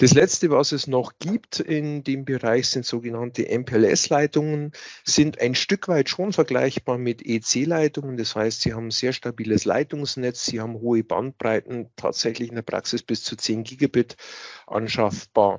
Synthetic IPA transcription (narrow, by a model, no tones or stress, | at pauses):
d̥aslɛt͡stəvasɛsnɔχɡ̥iːptɪndeːmbəʁaɪçz̥ɪntz̥oːɡənantʰəʔɛmpʰeɛlɛ̰slaɪtʊŋənz̥ɪnta̰ɪnʃtʏkv̥aɪtʃoːnfɛɐɡla̰ɪçb̥aːɐmɪtʰeːt͡seːlaɪtʊŋəndashaɪstz̥iːhaːbm̩z̥eːɐʃtabiːləsla̰ɪtʊŋsnɛt͡sz̥iːhaːbm̩ɦoːəba̰nt̚b̥ʁ̥aɪtn̩tʰa̰ːtz̥ɛçlɪçɪndeːɐpʁ̥a̰ksɪsb̥ɪst͡suːt͡seːnɡiːɡabɪtʔa̰nʃafb̥a̰ːɐ